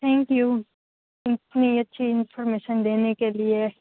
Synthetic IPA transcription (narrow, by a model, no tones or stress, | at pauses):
t̪ʰɛ̃ŋkju | ipnijɔt͡ʃʰiɪnfɔɾmeːʃənd̪enekelie